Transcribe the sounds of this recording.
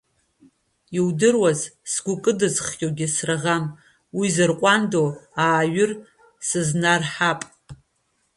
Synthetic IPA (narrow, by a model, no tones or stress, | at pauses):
iwdɨrwazsɡʷʊkʼɨdɨzχjʼoɡʲɪsraʁam | wizɨrqʷʼandoaːɥʏr | sɨznarħapʼ